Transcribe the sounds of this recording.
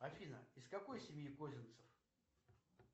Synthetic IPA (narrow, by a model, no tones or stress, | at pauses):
ɐfʲinə̰iskɐko̞jsʲɪmʲjikozʲɪnt̪sə̥f